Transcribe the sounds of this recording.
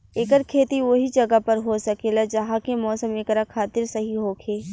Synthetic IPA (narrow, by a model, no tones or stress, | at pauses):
eːkəɾkʰeːt̪iʋoɦid͡ʒɐɡapɐɾɦosɐkelad͡ʒɐɦãkemɔːsəmeːkɾakʰaːt̪ɪɾsɐɦiɦoːkʰeː